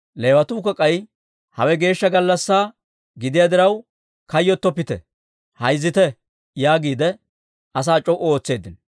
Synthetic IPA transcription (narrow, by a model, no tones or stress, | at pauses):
le̞ːwɐt̪uːkɔkʼːɐj | hɐwɛɡe̞ːʃːɐɡɐlːɐsːaː | ɡɪd̪ɪjad̪ɪɾɐw | kɐjːɔt̪ːɔpːɪt̪ɛ̰ | hɐjzːɪt̪ɛ | jaːɡiːd̪ɛ | ʔɐs̬aːt͡ʃʼɔʔɔoːt͡sːe̞ːd̪ɪn